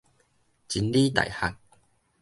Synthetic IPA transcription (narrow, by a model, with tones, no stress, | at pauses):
t͡ɕi˧nli˦t̪a̰˨jha˧k̚